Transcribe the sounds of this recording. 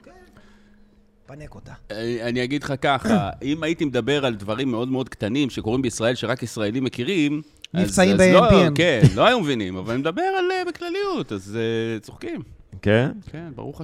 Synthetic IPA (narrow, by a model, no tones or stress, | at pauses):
ke | panekot̪aaniaɡid̪χakaχaimait̪imed̪abe̞ʁald̪vaʁimːe̞o̞d̪meo̞d̪kt̪animʃe̞ko̞ʁimbeisʁae̞lʃeʁakisʁae̞limːekiʁim | anizsaimbelomkennnlo̞ajumevinimavalanimed̪abe̞ʁalebeklalijut̪azet͡soχkimkenkʰe̞nba̰ʁuχa